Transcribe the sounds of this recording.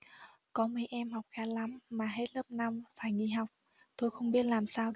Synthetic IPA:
kɔ˨˦me˨˧˦ʔɛ˧mhɦɔ˨˩wk͡p̚xaː˨˧˦la˨˦mːaː˨˩ɦe˦˥t̚ləː˦˥p̚na˧mfaː˧˩jŋi˧˩ɦa˨˩wk͡p̚ | t̪o˧jxə˧wŋ͡mɓi˦˥ət̚laː˨˩msaː˧w

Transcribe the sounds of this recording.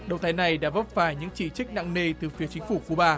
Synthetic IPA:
ɗə˨wŋ͡mt̪ʰaː˨˦jna˨˩jɗa̰ː˧˥və˦˥p̚faː˧˩jɲɨ̰˧˥ŋt͡ɕi˧˩t͡ɕï˦˥k̟̚na̰˧˨ŋne˧t̪ɨ˨˩fi˨˦ət͡ɕï˨˦ŋ̟fu˧˩ku˨˧˦ɓaː˧˩

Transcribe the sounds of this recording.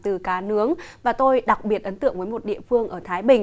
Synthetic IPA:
t̪ɨ˨˩kaː˨˦nɨ˨˦əŋvaː˨˩t̪o˧jɗa˨˩k̚ɓi˨˩ət̚ʔə˨˦nt̪ɨ̰˧˨əŋvəː˨˦jmo˨˩t̚ɗḭ˧˨əfɨ˧əŋʔəː˧˩t̪ʰaː˨˦jɓï˨˩ŋ̟

